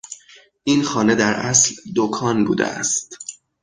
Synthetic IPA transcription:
ʔiːnxɒːne̞d̪æɾʔæsld̪okʰɒːnbṵːd̪ḛæ̰st̪

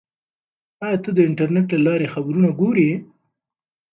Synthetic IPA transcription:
ɑjɑt̪əd̪əɪɳʈaɾneʈlalɑɾexabɾunaɡoɾi

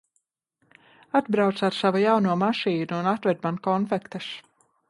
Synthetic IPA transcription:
ad̪bɾawt̪saɾsavujawnuɔmaʃiːnuːnat̪vɛd̪̚mankɔnfɛkt̪ɨs

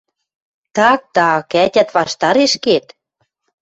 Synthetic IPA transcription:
t̪ɑk̚t̪ɑkæt̪ʲæt̪βɑʃt̪ɑɾeʃket̪

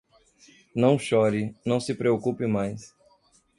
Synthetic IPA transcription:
nɐ̃w̃ʃɔɾɪnɐ̃w̃sɪpɾeokupɪmajs

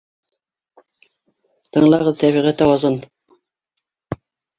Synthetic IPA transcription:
t̪ɤ̆ɴlˠɑʁɤðt̪æβiʁæt̪æwɑzɤn

